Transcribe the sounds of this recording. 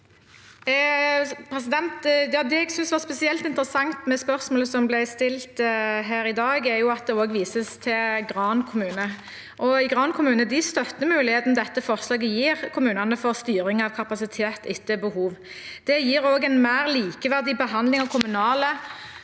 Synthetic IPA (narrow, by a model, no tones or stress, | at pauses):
pʰɾɛsɪd̪ɛnt̪jɑːd̪ɛɛɡsʏnsʋɑʁspɛsɪɛlt̪ɪnt̪əɾəsɑŋt̪mɛspœʁsmoːləsɔmblɛst̪ɪlt̪əɦæːɾɪd̪ɑːɡæɾjʊɑt̪̚d̪ɛoːɡʋiːsəst̪ʰɪlɡɾɑːnkʰʊmʉːnə | ʔɔɪɡʁɑːnkʰʊmʉːnəd̪ɪst̪œt̪ːəmʉːlɪheːt̪n̩d̪ɛt̪ːəfɔʁslɑːɡəjiːʁkʰʊmʉːnɑnəfɔʁst̪yːɾɪŋɑʋkʰɑpɑsɪt̪ʰeːt̪ɪt̪ːəbəhuːʋ | d̪̥ɛjiːɾoːɡɛnmæːʁliːkəʋæʁd̪ɪbəɦɑnd̪lɪŋɑkʰʊmʉnɑːlə